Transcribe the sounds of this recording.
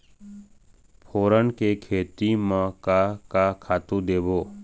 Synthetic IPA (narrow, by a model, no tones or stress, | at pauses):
pʰoːɾənkekʰeːt̪imãkakakʰaːt̪ũd̪eːboː